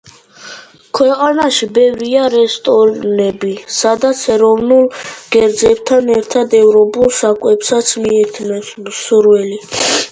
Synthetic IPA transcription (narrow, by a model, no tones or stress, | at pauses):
kʰwɛqʼanaʃibɛvɾiaɾɛst̪ʼɔɾnɛbisad̪at̪sʰɛɾɔvnulˠɡ̥ɛɾd̪zɛbt̪ʰanɛɾt̪ʰad̪ɛvɾɔpʼulˠsakʼwɛpsat̪sʰmiɛt̪ʰnɛsmsuɾwɛli